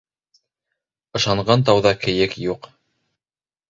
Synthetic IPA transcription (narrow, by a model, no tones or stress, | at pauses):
ɤ̆ʃɑɴɢɑnt̪ɑwðɑkɘ̆jɘkjuq